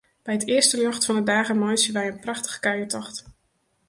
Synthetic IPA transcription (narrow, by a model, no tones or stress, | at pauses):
b̥ɛjɦətɪːɹstəløχtfɑndədaːχənmɔjsəʋɛjənprɑχtə̥χkaɥəɹtɔχt